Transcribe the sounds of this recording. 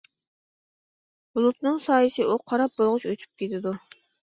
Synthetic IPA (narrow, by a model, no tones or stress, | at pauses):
bulˠut̪nɨŋsɑːjɨsɨʔuqʰɑɾɑp̚bolˠʁʊt͡ʃøt̪ʰy̥p̚kʲʰet̪ʰɪd̪u